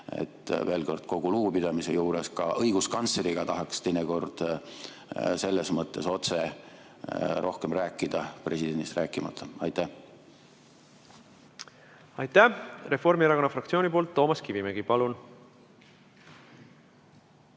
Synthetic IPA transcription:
ḛt̪ːve̞ːlko̞rd̪̥ko̞ɡ̥uluːpid̪̥ɑmise̞juːɾeskɑʔɤjɡ̥uskɑnsleɾiɡ̥ɑt̪ɑɦɑkst̪e̞jneko̞rd̪̥ | se̞lːesmɤt̪ːe̞so̞t̪se | ɾʔo̞hkemræːkːˑid̪̥ɑpre̞sid̪̥e̞nd̪ist̪ræːkːˑimɑt̪ʰˑːɑɑjt̪ːˑæh | ɑjt̪ːˑære̞fo̞rmieɾɑko̞nːɑfrɑkt̪sio̞ːnʲipoːlt̪ːo̞ːmɑskivimeɡ̥ipɑlun

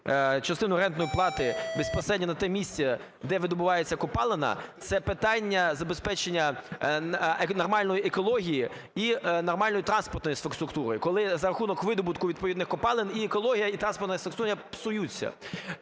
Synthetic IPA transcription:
t͡ʃɐst̪ɪnʊɾɛnt̪nɔjiplˠɑt̪ɪbespɔsɾɛdʲnʲɐnɐt̪ɛmʲisʲt͡sʲɛ | d̪ɛʋɪd̪ɔbʊʋɑjet͡sʲːɐkɔpɑlˠenɐ̰t̪sɛpɪt̪ɑnʲːɐzɐbespɛt͡ʃenʲːɐ | nɔrmɑlʲnɔjiekɔlˠɔɦʲiji | inɔrmɑlʲnɔjit̪ɾɑnspɔrt̪nɔjisfɐkst̪ɾʊkt̪uɾɔ̰jikɔlˠɪzɐɾɐxunɔkʋɪd̪ɔbʊt̪kʊʋʲid̪̚pɔʋid̪nɪxkɔpɑlˠɪniekɔlˠɔɦʲijɐit̪ɾɑnspɔrt̪nɐjsfɐksuɾʲjɐpsʊjut͡sʲːɐ̰

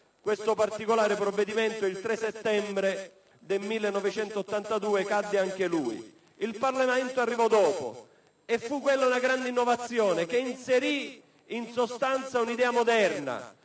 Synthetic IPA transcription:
kwest̪opart̪ikolaːɾepɾovːed̪iment̪oilt̪ɾesːet̪ːɛmbɾe | d̪elmilːenːɔvet͡ʃɛnt̪oːt̪ːant̪ad̪uːekad̪ːeaŋk̟eluːḭ | ilparlemɛnt̪oarːivɔd̪ɔːpo̰ | efːukːwelːaunaɡɾand̪einːovat̪sːjɔːnek̟einseɾi | insost̪ant̪saunid̪ɛːamod̪ɛrna̰

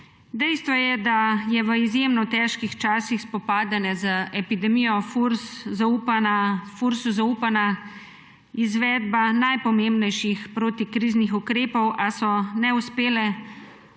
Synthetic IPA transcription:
d̪ɛjst̪ʋɔjɛd̪ajɛʋəizjemnɔt̪ɛːʃkixt͡ʃaːsixspɔpaːd̪anɛzəʔɛpid̪ɛmijɔfuɾszaupanafuɾsuzauːpana | izʋɛːd̪̚banajpɔmembnɛjʃixpɾoːt̪ikɾiːznixukɾeːpɔwʔasɔnɛuspeːlɛ

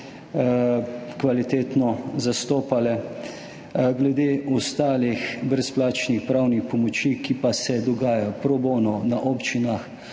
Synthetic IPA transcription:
kʋalit̪eːt̪nɔzast̪oːpalɛ | ɡlɛd̪eːɔst̪aːlixbɾɛsplaːt͡ʃnixpɾawnixpɔmɔt͡ʃikipasɛd̪ɔɡaːjaɔpɾɔboːnɔnaʔɔːpt͡ʃinax

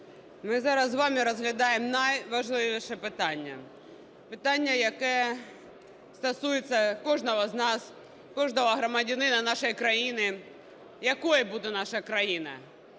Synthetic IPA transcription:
mɪzɑɾɐzːʋɑmʲiɾɐzɦlʲɐd̪ɑjemnɐjʋɐʒlˠɪʋʲiʃɛpɪt̪ɑnʲːɐ̰ | pɪt̪ɑnʲːɐjɐkɛ | st̪ɐsujet͡sʲːɐkɔʐnɔɦɐznɑs | kɔʐnɔʋɐɦɾɐmɐdʲanɪnɐnɑʃɔjkɾɐjinɪ | jɐkɔjɐbud̪ɛnɑʃɐkɾɐjinɐ̰

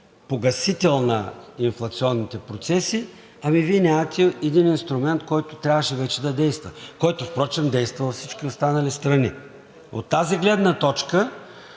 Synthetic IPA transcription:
poɡɐsit̪ɛlˠnɐinflˠɐt̪siɔnːit̪ɛpɾot̪sɛsi | ɐmiviɛnʲamət̪ʲɛɛd̪ininst̪ɾʊmɛnt̪kɔjt̪ʊt̪ɾʲavəʃɛvɛt͡ʃɛd̪ɐd̪ɛjst̪vəkɔjt̪ʊfpɾɔt͡ʃɛmd̪ɛjst̪vɐlˠfsit͡ʃkʲiost̪anɐlist̪ɾɐni | o̰t̪ːaziɡlɛd̪nət̪ɔt͡ʃkə

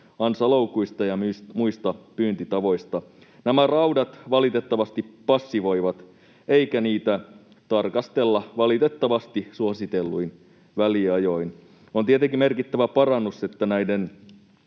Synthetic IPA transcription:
ɑnsɑloukuist̪ɑjɑsmuist̪ɑpyːnt̪it̪ɑʋo̞ist̪ɑ | næmærɑwdɑt̪ʋɑlit̪e̞t̪ːɑʋɑst̪ipɑsːiʋo̞iʋɑt̪ | eikæniːt̪æ | t̪ɑrkɑst̪e̞lːɑʋɑlit̪e̞t̪ːɑʋɑst̪isuɑsit̪elːuin | ʋæliɑjo̞in | ont̪iet̪eŋkimerkit̪ːæʋæpɑrɑnːuse̞t̪ːænæiden

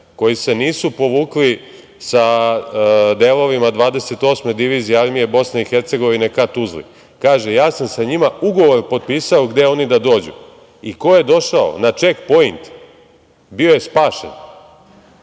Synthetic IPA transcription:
ko̞jise̞niːsupo̞ʋuːkli | sa | d̪eːlˠo̞ʋimad̪ʋaːd̪e̞se̞t̪o̞ːsme̞d̪iʋiːzijeaɾmije̞bo̞sne̞ixeɾt̪se̞ɡo̞ʋine̞kat̪uzlḭ | kaːʒejaːsamsaɲimauɡo̞ʋo̞ɾpo̞t̪̚piːsao̞ɡd̪e̞o̞nid̪ad̪o̞ːd͡ʑṵ | iko̞je̞d̪o̞ʃao̞̰nat͡ʂekpo̞int̪ | bio̞je̞spaːʃḛn

